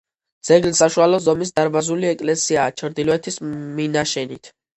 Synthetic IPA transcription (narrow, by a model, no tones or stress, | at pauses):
d̪z̥ɛɡlisaʃualɔzɔmis̬d̪aɾbazuliɛkʼlɛsiaːt͡ʃʰɾd̪ilɔɛt̪ʰisminaʃɛnit̪ʰ